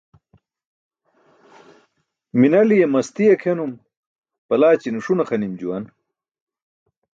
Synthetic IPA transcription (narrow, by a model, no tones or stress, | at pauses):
minɐlijemɐst̪ijekʰenum | pɐlaːt͡ɕinuʂunɐxɐnimd͡ʑuwɐn